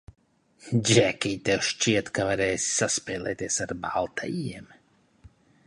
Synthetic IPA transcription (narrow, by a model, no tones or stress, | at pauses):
d͡ʒʲɛkʲiːt̪ɛʃt͡ʃiɛt̪kavaɾɛːssaspɛːlˠɛːt̪iɛsaɾba̰lˠt̪ʰa̰jiɛm